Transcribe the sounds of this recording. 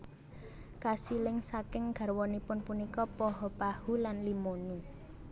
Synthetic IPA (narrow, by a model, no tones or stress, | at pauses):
kasilɪŋsakɪŋɡ̥a̤rwɔnipʊnpunikɔpɔɦɔpahulanlimonu